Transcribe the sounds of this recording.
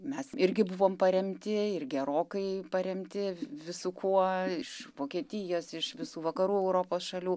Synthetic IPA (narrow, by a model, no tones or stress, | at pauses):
mʲɛsɪɾʲɡʲɪbʊʋoːmpɐɾʲɛmʲt̪ʲɪɪrɡʲɛɾoːkɐɪpɐɾʲɛmʲt̪ʲɪʋʲɪsʊkʰuɔɪʃʋoːkʲiɛt̪ʲɪjoːsɪʃʋʲɪsuːʋɐkɐɾuːɛʊɾoːpoːsʃɐlʲuː